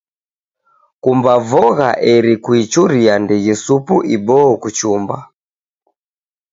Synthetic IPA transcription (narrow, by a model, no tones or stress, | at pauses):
kumbavɔɣaʔɛɾikuit͡ʃuɾiandijɛsupuʔibɔɔkut͡ʃumba̰